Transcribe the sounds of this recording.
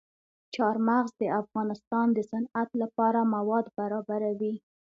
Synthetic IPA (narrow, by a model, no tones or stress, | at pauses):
t͡ʃɑɾmaɣzd̪əafɣɑnɪst̪ɑnd̪əsanat̪lapɑɾamawɑd̪baɾɑbaɾawi